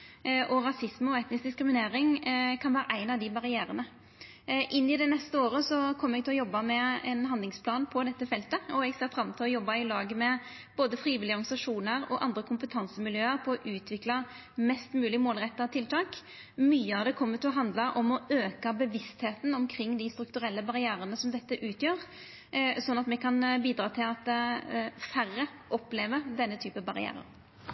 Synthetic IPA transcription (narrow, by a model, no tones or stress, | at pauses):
ʔɔɾɑsɪsməɔɛt̪nɪsk̚d̪ɪskɾɪmɪneːɾɪŋkʰɑnʋæːɾəʔæɪnɑʋd̪ɪbɑɾɪjæːɾənə | ʔɪnːɪd̪ɛnɛst̪əoːɾəsɔkʰɔmːəɾɛɡ̚t̪ɪlɔjɔbːɑmɛɛnɦɑnd̪lɪŋspʰlɑːnpʰɔd̪ɛt̪ːəfɛlt̪əɔɛɡseːfɾɑmt̪ʰɪlɔjɔbːɑɪlɑːɡəmɛ | b̥oːd̪əfɾiːʋɪlɪɔɾɡnɪsɑʂuːnəɾɔ̰ʔɑ̰nd̪ɾəkʰʊmpət̪ʰɑnsəmɪljøːəɾpʰɔɔʔʉːt̪ʰʋɪklɑ | mɛst̪mʉːlɪmoːlʁɛt̪ːɑt̪ʰɪlt̪ʰɑːk | myːəɑʋd̪ɛkʰɔmːət̪ʰɪlɔɦɑnd̪lɑʔɔmɔøːkɑbəʋɪst̪heːt̪n̩ɔmkʰɾɪŋːd̪ɪst̪ɾʉkt̪ʉɾɛlːəbɑʁɪæːɾənəsɔmd̪ɛt̪ːəʔʉːt̪ʰjøːɾ | sɔnːɑt̪mɛkʰɑnbiːd̪ɾɑːt̪ʰɪlɑt̪ | færə | ʔɔpleːʋəd̪ɛnːət̪ʰyːpəbɑɾɪæ̰ːɾə̰ɾ